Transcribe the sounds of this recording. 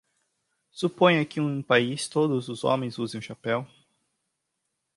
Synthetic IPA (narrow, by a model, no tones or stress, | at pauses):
supõj̃akiũpaist̪od̪ʊzʊzõ̰mẽj̃zuzẽj̃ʃapɛw